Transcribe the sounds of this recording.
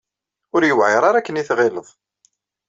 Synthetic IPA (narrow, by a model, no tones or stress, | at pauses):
ʊɾjəwʕɪɾˤɑɾˤækːəniθʁeləðˤ